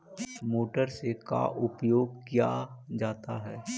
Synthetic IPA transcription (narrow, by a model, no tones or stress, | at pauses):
moːʈəɾseka̰ʔʊpjoːɡ̚kja̰ːd͡ʒaːt̪aɦɛː